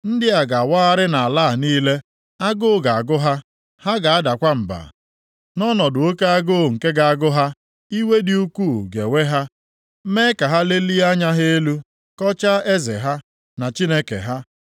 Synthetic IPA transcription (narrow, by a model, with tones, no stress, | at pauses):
n̩˦dɪ˦a˨ɡa˨waː˦a˦ɾɪ˦na˨a˨laː˦˨niː˦le˦ | a˦ɡʊ˦ʊ˦˨ɡa˨a˨ɡʊ˦ɦa˦ | ha˦ɡa˨a˦da˨kʷa˦m̩˨ba̰˨ | nɔ˦nɔ˨dʊ˨o˦ke˦a˦ɡo˦˨ŋ̩˨ke˦ɡa˨a˦ɡʊ˦ɦa˦ | i˦we˦dɪ˦u˦kʷuː˦˨ɡḛ˨we˦ɦa˦ | me˦ka˨ɦa˦le˦li˦a˦ɲa˦ɦe˦e˦lu˦ | kɔ˦t͡ʃa˦e˦zḛ˨ɦa˦ | na˨t͡ʃi˦ne˦kḛ˨ɦa˦